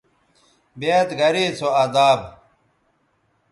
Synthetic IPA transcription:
beːt̪ɡɐɾiːt͡sʰoad̪aːb

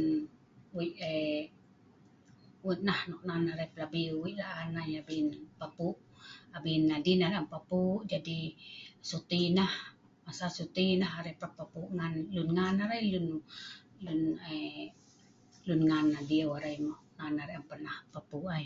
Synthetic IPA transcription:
n | wiʔe | wuʔ̪̚nahnɔʔnanaɾajpəlabiiʔlaʔanajabinpapuʔ | abinːadinaɾeʔampapuʔd͡ʒadisut̪inah | masasut̪inaɦaɾeplapapuʔŋanlunŋanaɾajlun | lune | lunŋanːadiəwaɾajmɔʔnanaɾeʔampənahpapuʔaj

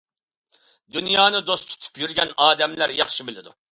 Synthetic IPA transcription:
d̪unjɑːnɨd̪ost̪ʰu̥t̪ʰu̥pjyɾɡʲɛnɑːd̪ɛmlæɾjɑχʃibɪlɪd̪u

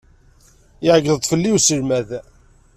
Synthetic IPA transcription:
ɪʕəɡəðt̪ˤːfəlːiwsəlmæð

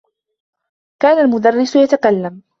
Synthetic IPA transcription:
kaːnalmʊd̪arˤːɪsʊjat̪akalːam

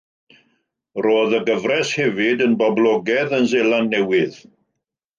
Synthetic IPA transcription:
roːðəɡəvrɛshɛvɪdənbɔblˠɔɡɛðənzelˠanːɛwɪð̥

